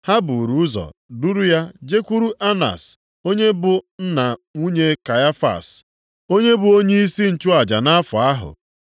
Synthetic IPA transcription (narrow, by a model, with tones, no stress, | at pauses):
ha˦bʊ˨ɾu˦ʊ˦zɔ̰˨du˦ɾu˦ja˦d͡ʒe˦kʷu˦ɾu˦ʔa˦na̰˨s | o˦ɲe˦bʊ˨n̩˦na˨ŋu˦ɲe˦ka˨ja˦fa̰˨s | o˦ɲe˦bʊ˨o˦ɲe˦i˦si˦n̩˨t͡ʃʊ˦a˨d͡ʒa̰˨na˦fʊ˨a˦ɦʊ̰˨